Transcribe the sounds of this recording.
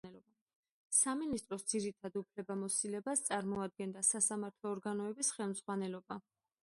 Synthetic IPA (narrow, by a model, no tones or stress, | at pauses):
saminist̪ʼɾɔsd̪ziɾit̪ʰad̪upʰlɛbamɔsilɛbast̪sʼaɾmɔad̪̚ɡɛnd̪asasamaɾt̪ʰlˠɔːɾɡanɔɛbisχɛlˠmz̥ʁwanɛlɔba